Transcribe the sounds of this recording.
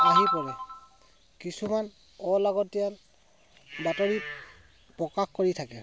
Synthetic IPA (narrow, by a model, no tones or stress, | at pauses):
aɦipɔɹɛ | kisuman | ɔlaɡɔtːial | batoɹi | pɹɔkaxkoɹitʰakɛ